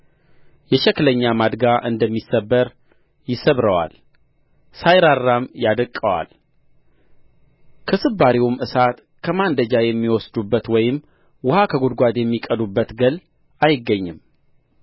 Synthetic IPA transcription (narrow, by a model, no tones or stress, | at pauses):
jɛʃɛkləɲːamad̪ɡaʔɨnd̪əmːisːəbːəɾ | jɪsəβɾəwa̰l | sajɾarːamjad̪əkʼːəwa̰l | kʰəsɨbːaɾiwumʔɨsat̪ | kʰəmand̪əd͡ʒajɛmːiwɔsd̪ubːət̪wɔjɪm | wʊhakʰəɡod̪ɡʷad̪jɛmːikʼəd̪ubːət̪ɡəl | ajɪɡːəɲːɨm